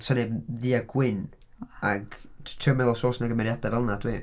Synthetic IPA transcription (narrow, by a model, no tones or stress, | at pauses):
sʰəneðiːaɡwɪn | aɡtʰrəwmɛlˠɔsoːsnaɡəmɛɾjad̥avɛlˠnad̥ʰwiː